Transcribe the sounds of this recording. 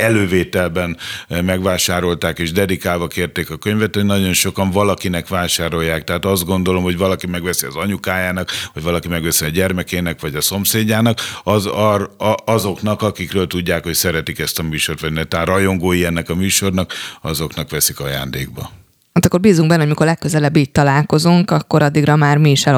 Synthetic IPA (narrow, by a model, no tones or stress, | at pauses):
ɛløːveːt̪ɛlbɛnmɛɡʋaːʃaːɾo̞lt̪aːkeːʒd̪ɛd̪ikaːlvɒkeːrt̪eːkɒkøɲvɛt̪ho̞ɟnɒɟo̞nʃo̞kɒɱvɒlɒkinɛkʋaːʃaːɾo̞jːaːk̚t̪ɛɦaːt̪ɒzd̪̚ɡo̞nd̪o̞lo̞mho̞ɟvɒlɒkimɛɡʋɛsiɒzɒɲukaːjaːnɒkʋɒɟvɒlɒkimɛɡʋɛsiɒɟɛrmɛkeːnɛkʋɒɟɒso̞mseːɟːaːnɒkɒz | ɒzo̞knɒkɒkikrøːlt̪uɟːaːkho̞csɛɾɛt̪ikɛst̪ɒmyːʃo̞rt̪ʋɒɟnɛt̪aːrɒjo̞ŋɡoːjiɛnːɛkɒmyːʃo̞rnɒkɒzo̞knɒkʋɛsikɒja̰ːnd̪ḛːɡ̚bɒ̰ | haːt̪ɒkːo̞rbiːzuŋɡbɛnːoɟmikorlɛkːøzɛlɛbːiːtt̪ɒlaːlko̞zuŋkɒkːo̞ɾɒd̪ːiɡrɒmaːrmiːʃɛ